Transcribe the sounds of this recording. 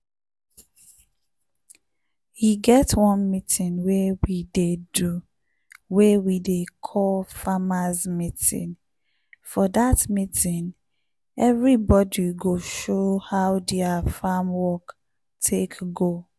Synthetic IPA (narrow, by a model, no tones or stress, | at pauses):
hiɡɛtwɔ̃nmitʰĩnwewidedu | wewidekʰɔlfamazmitḭ̃n | fɔdatmitʰĩn | ɛvɹibɔdiɡoʃohaʊdɛafamwɔk | tʰekɡo